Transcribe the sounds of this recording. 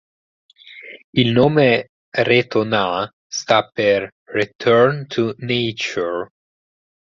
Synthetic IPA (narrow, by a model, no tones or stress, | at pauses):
ilnoːme | ret̪ona | st̪apːerː | it̪ʰøɾnt̪ʰunejt͡ʃɔɹ